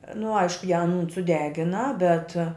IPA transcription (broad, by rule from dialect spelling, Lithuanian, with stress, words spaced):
nʊ ˈɐɪʃkʊ jæː ɐnuːn sʊˈdʲæːɡʲɪnɐ bʲɛt